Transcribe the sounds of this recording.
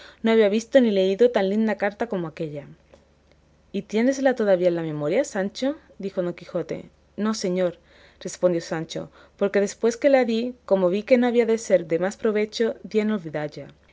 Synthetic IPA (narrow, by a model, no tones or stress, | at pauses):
no̞aβiaβ̞ist̪onile̞iðo̞t̪anlind̪akaɾt̪ako̞moake̞ʎa | it̪je̞nes̬lat̪o̞ðaβiaelame̞mo̞ɾjasant͡ʃo̞ | d̪ixo̞ðo̞ŋkixo̞t̪e̞̰ | no̞se̞ɲo̞ɾ | re̞spond̪jo̞sant͡ʃo̞̰ | po̞ɾke̞ðe̞spwe̞ske̞laðiko̞mo̞β̞ike̞no̞aβiaðe̞se̞ɾde̞maspɾo̞βe̞t͡ʃo̞d̪jeeno̞lβiðaʎa